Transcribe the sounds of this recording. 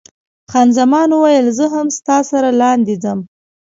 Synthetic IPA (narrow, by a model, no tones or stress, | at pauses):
xɑnzamɑnuwajəlzəɦamst̪ɑsaɾalɑnd̪id͡zəm